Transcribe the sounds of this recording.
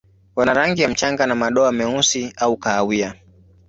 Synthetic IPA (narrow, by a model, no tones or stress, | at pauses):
wanaɾaŋɡijam̩t͡ʃaŋɡanamaɗɔamɛusiaukaːwia